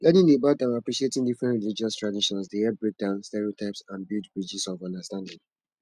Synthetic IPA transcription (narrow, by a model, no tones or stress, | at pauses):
lɛnĩnebadãapɹiʃietĩŋdifɹɛ̃ntɹilid͡ʒiɔstɹadiʃɔ̃nsdeɛbɹek̚d̥ãʊ̃nstɛɹiotʰaɪpsãnbilˠdbɹid͡ʒisɔvɔ̃ndəstãndĩŋ